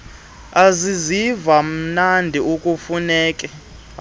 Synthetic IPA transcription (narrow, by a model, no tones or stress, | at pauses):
azizivam̩nandʱiukʼufunɛːk̬ʼɛ